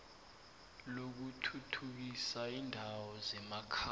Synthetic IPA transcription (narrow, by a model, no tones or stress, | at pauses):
lok̬utʰutʰuk̬isaindʱawɔzɛmakʰa